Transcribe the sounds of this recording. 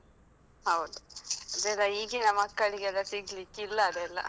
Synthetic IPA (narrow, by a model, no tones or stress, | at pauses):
hɐwd̪uɐd̪eːlːɐiːɡinamɐkːɐɭiɡeɛlːɐsiɡlikːilːɐːd̪eɐlːa̰